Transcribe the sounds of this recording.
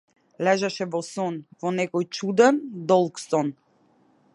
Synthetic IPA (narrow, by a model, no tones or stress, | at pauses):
lɛʒɛʃɛvɔsɔnvɔnɛkɔjt͡ʃud̪ɛnd̪ɔlˠksɔn